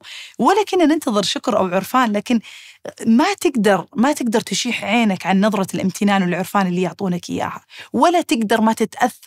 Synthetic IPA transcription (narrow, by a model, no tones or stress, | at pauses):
wɪlːakɪnːanɪnt̪ɑðˤɨɾʃʊkɾʔa̰wʕʊɾfaːnlaːkɪn | mat̪ɪɡd̪ɑɾˤmat̪ɪɡ̚d̪ɑɾˤt̪ɪʃiːħʕeːnakʕanːɑðˤɾˤɑlʔɪmt̪ʰɪnaːnwɪlʕʊɾfaːnɪlːijʊʕt̪ˤuːnakʔɪ̰jːa̰ːhawalːat̪ɪɡd̪ɑɾˤmat̪ɪt̪ʔaθː